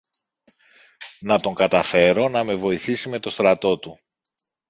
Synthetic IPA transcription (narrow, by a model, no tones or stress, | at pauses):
nɐt̪o̞ŋɡɐt̪ɐfe̞ɾo̞nɐme̞vo̞iθisime̞t̪o̞st̪ɾɐt̪o̞t̪u